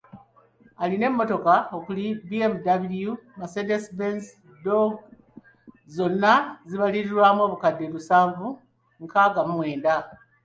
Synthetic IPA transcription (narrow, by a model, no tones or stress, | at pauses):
aline̞mːo̞to̞kaokulibiemdaβiljumasedesbens | doɡ | zo̞nːaziβaliɾiɾwaːmwo̞ːβukadːelusaːɱvu | ŋkaɡamumwe̞ːnda